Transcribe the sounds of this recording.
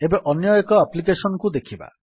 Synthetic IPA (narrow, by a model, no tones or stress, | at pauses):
ebeʔɔnjɔjekɔaplikesɔnɔkud̪ekʰiba̰